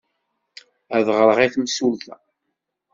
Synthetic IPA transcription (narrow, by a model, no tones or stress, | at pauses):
æðʁɾəʁiθməsulθæ